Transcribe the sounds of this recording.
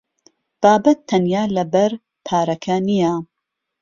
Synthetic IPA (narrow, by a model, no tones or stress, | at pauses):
b̥aːbɐt̪ʰːɐnjaːlɐbɐɾ | pʰaːɾɐkʰɐnijɐ